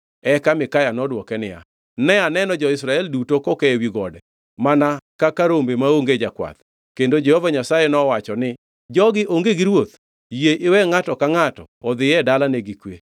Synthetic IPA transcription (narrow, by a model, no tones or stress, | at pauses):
ɛkamɪkajanɔdwɔkɛnɪja̰ | nɛanɛnɔd͡ʒɔɪsɾaɛldutokɔkɛwiɡɔdɛ | manakakaɾombemaoŋɡed͡ʒakwa̰t̪ | kendod͡ʒɛhovaɲasajenɔwat͡ʃɔnɪ | d͡ʒɔɡɪʔoŋɡeɡɪɾwot̪ | jeʔɪwɛŋatɔkaŋatɔ̰ːd̪ɪjɛdalaneɡɪkwe